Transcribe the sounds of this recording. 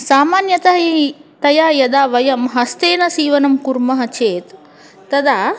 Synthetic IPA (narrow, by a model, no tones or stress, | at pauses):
saːmaːnjɐt̪ɐɦɐit̪ɐjaːjɐd̪aːʋɐjɐmɦɐst̪eːnɐsiːʋɐnɐmkuɾmɐɦɐt͡ʃeːt̪ː | ɐd̪aː